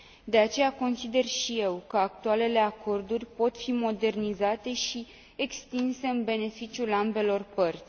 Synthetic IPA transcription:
d̪e̞at͡ʃe̞jako̞nsid̪e̞rʃije̞wkəakt̪uale̞le̞akʰo̞rd̪urʲpo̞t̪fimo̞d̪e̞rnizat̪e̞ʃi | ekst̪inse̞ɨnbe̞ne̞fit͡ʃijulambe̞lo̞rpərt̪sʲ

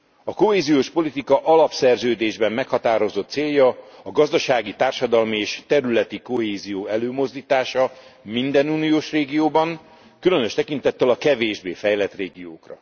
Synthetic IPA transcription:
ɒko̞ɦeːzijoːʃpo̞lit̪ikɒʔɒlɒpsɛrzøːd̪eːʒbɛmːɛkhɒt̪aːɾo̞zo̞t̪seːjːɒɒɡɒzd̪ɒʃaːɡit̪aːrʃɒd̪ɒlmieːʃt̪ɛɾylɛt̪iko̞ɦeːzijoːɛløːmo̞zd̪iːt̪aːʃɒmind̪ɛnuːnijoːʃreːɡijoːbɒŋ | kylø̞nøʃt̪ɛkint̪ɛt̪ːɛlɒkɛveːʒbeːfɛjlɛt̪reːɡijo̰ːkrɒ̰

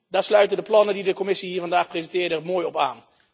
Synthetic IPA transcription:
daːɹslœɥtəndəplɑnədidəkɔmɪsiɦiːɹvɑndaːxprezəntɪːɹdəmoːjɔpa̰ːn

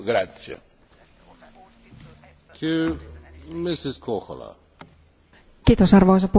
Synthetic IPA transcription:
ɡɾat̪sia̰ | kʰy | mɪsiskʰoxo̰la̰ | kiːt̪osɑrʋois̬ɑpu

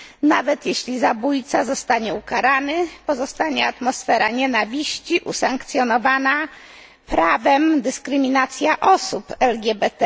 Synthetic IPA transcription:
navɛt̪jeɕlʲizabujt̪sazɔst̪aɲɛukaɾanɘpɔzɔst̪aɲɛat̪mɔsfɛɾaɲɛnavʲiɕt͡ɕiʔusaŋkt̪sʲjɔnɔvana | pɾavɛmd̪ɘskɾɘmʲinat̪sʲjaʔɔsupɛlɡʲjɛbɛt̪ɛ

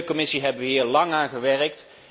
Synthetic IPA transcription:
kɔmɪsiɦɛbənʋəɦiːɹlɑŋaːnχəʋɛrək̚t

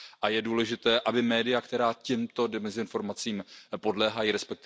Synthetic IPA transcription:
ʔajɛduːlɛʒɪt̪ɛːʔabɪmɛːdɪjakt̪ɛɾaːcɛmt̪o̞dɪmɛzɪɪnfo̞ɾmat͡siːmpo̞dlɛːɦajiɾɛspɛk̚t̪ɪ

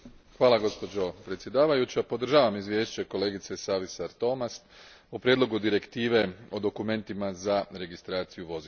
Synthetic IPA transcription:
xʋaːlˠaɡo̞spo̞d͡ʑo̞pɾet̪sje̞d̪aːʋajut͡ɕapo̞d̪r̩ʒaːʋamizʋje̞ːʃt͡ɕeko̞le̞ːɡit̪se̞saʋisaɾt̪o̞mast̪ | upɾjed̪lˠo̞ɡud̪iɾe̞kt̪iːʋe̞o̞d̪o̞kume̞nt̪imazaɾe̞ɡist̪ɾaːt̪sijuʋo̞zi

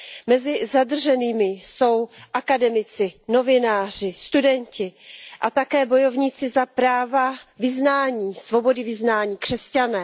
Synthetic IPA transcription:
mɛzɪzad̪r̩ʒɛniːmɪso̞wʔakadɛmɪt͡sɪno̞vɪnaːr̝ɪst̪udɛɲcɪʔat̪akɛːbo̞jo̞vɲiːt͡sɪzapɾaːvavɪznaːɲiːsvo̞bo̞dɪvɪznaːɲiːkr̥ɛscanɛː

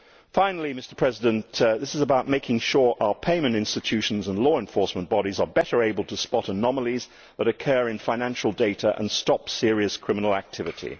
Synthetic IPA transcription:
fãɪ̃nl̩ˠimɪstə˞pʰɹ̥ɛzɪdə̃ntðɪsɨzəbaʊʔ̚meɪkɪ̃ŋʃʊɹʔaʊə˞pʰẽɪ̃mɨ̃ntɪ̃nstɨtʰʉʃn̩zə̃nlɔɨ̃ɱfɔɹsmə̃nb̥ɑɾizə˞bɛɾə˞eɪbəl̩ˠtʰəspɑɾənɑməlˠiz | ðəɾɨkʰɜːɹɨ̃nfãɪ̃næ̃nʃəl̩ˠdeɪɾəʔə̰̃nstɑpsɪəɹiɨskʰɹ̥ɪ̃mənl̩ˠæk̚tʰɪvɨɾʰḭ

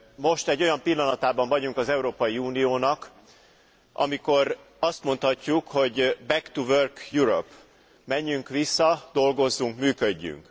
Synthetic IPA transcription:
mo̞ʃt̪ɛɟːo̞jɒmpilːɒnɒt̪aːbɒɱvɒɟuŋkɒzɛuɾoːpɒjiuːnijoːnɒk | ʔɒ̰miko̞r | ɒst̪mo̞nt̪hɒcːukho̞ɟbɛkt̪uvørkjuɾo̰p | mɛɲːyŋkʋisːɒd̪o̞lɡo̞zːuŋkmyːkøɟːy̰ŋk

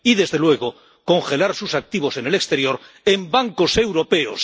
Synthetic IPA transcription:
iðe̞zðe̞lwe̞ɣ̞o | ko̞ŋxe̞laɾsusak̚t̪iβ̞o̞se̞ne̞lekst̪e̞ɾjo̞ɾ | e̞mbaŋko̞se̞wɾo̞pe̞o̰s

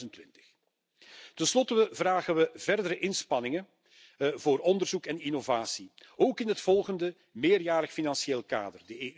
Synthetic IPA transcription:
əntʋɪntə̥x | tɛnslɔtəəvraːɣənʋəvɛrdəɾəʔɪnspɑnɪŋə | voːrɔndərzukɛninovaːsioːkɪnɦətfɔlˠɣəndə | meːrjaːrəxfinɑnsieːlˠka̰ːdərdəeː

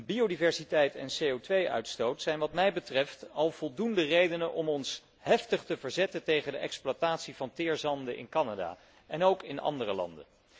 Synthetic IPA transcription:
biodivɛɹsitɛjtɛ̰nsejowtʋejœ̰ɥtstowtsɛjnʋɑtmɛjbətrɛftɑlˠv̥ɔlˠdundərejdənənʔɔmɔns | hɛftəχtəvəɹzɛtətejχəndəʔɛkspluataːtsivɑntɪːɹzɑndəʔɪ̰nkɑnada̰ː | ɛnowkɪnɑ̰ndərəlɑ̰ndə̰n

